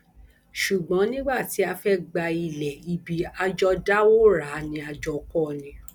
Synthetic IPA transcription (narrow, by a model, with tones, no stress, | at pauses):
ʃu˨ɡ͡bɔ̃˨˦nĩ˦ɡ͡ba˦˨ti˨˦a˧fɛ˦ɡ͡ba˧i˧lɛ˨i˧bi˨˧a˧d͡ʒɔ˧da˦wo˦ɾa˨˦nĩ˧a˧d͡ʒɔ˧kɔ˦˨nĩ˧˦